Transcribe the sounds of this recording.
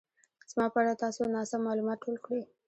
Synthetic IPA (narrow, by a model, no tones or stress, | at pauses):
z̥mɑpəaɽat̪ɑsonɑsamːɑlumɑt̪̚ʈʰolkɽe